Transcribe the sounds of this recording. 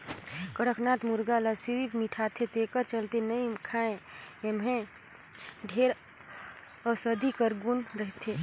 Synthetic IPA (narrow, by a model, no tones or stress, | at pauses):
kəɽəknat̪muɾɡalasiɾit̪miʈʰat̪ʰet̪ekəɾt͡ʃəlt̪enəimkʰaẽemɦẽ | ɖʱeɾ | əsəd̪ʱikəɾɡunɾəɦt̪ʰe